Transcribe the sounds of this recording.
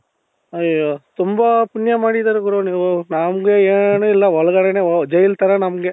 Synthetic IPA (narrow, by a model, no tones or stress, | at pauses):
ɐot̪umbɐpunjɐmaːɽid̪aɾeɡuɾoninaːmɡeeːnuilːɐʋɔɭɐɡɐːɽɛneːd͡ʒɐjilt̪ɐɾɐnɐmɡe